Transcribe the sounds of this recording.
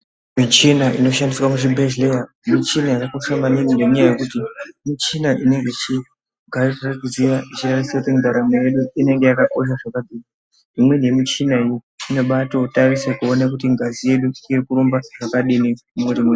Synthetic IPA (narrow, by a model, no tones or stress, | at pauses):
mit͡ʃinaʔino̞ʃandiswamuʐibʱeʒlea | mit͡ʃinajakakoʂamaninindemuɲaaje̞kutimit͡ʃinaʔine̞ŋɡeit͡ʃi | ɡʱariraraɡizirait͡ʃiratisakutindaɾamoje̞ɗuine̞ŋɡe̞jakako̞ʃ̬aʐakad͡zika | imwe̞ne̞mit͡ʃinaijoino̞ɓato̞tarisekuo̞nakutiŋɡazije̞ɗuirikuɾumbaʐ̥akaɗinimumuɾimu